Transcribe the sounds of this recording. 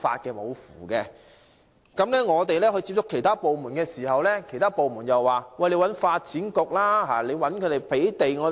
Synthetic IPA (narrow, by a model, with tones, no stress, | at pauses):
fa̰ː˧t̚kɛː˧mo̰˨˧wfṵː˨˩kɛː˧ | kɐ˨˥mlɛː˥ŋɔː˨˧t̪e˨jlɛː˥hɵ˧ɥt͡siː˧p̚t͡sʊ˥kʰːe˨˩jt̪ʰaː˥po˨wmuː˨˩nkɛː˧siː˨˩hɐ˨wlɛː˥kʰe˨˩jt̪ʰaː˥po˨wmuː˨˩njɐ˨wwaː˨˩wɐ˨˩jle˨˧jwɐ˨˥nfaː˧t̚t͡sʰiː˨˥nkʊ˨k̚laː˥ɦaː˨le˨˧jwɐ˨˥nkʰɵ˧t̪e˨jpʰe˨˥jt̪e˨jŋɔː˨˧